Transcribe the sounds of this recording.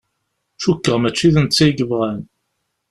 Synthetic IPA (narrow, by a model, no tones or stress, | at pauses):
t͡ʃukːəʁmæt͡ʃːiðənt͡sːæjɡəvʁæn